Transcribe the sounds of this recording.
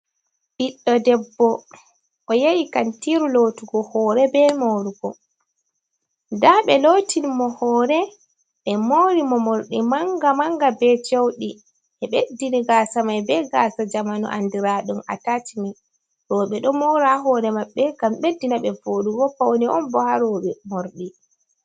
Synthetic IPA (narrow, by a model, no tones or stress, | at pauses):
biɗːɔdɛbːɔ | ʔɔjejikantiɾulotuɡɔhɔɾɛbɛmoɾuɡɔ | daɓɛloːtinimɔhɔːɾɛ | ɓɛmoɾimɔmoɾɗimaŋɡamaŋɡabɛd͡ʒowɗi | ʔɛɓedːiniɡaːsamajbɛɡasad͡ʒamanṵʔa̰ndiɾaɗuna̰tatimaj | ɾɔːɓɛɗɔmɔɾaɦɔːɾɛmaɓːɛɡamɓedːinaɓɛvoːɗuɡɔpawoniʔɔ̰nbɔhaɾɔɓɛmoɾɗi